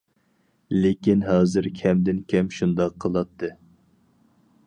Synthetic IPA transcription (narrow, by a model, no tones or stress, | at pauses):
lekʲinɦɑːzɨɾkʲʰɛmd̪ɪnkʲʰɛmʃund̪ɑqʰːəlˠɑt̪ʰːɨ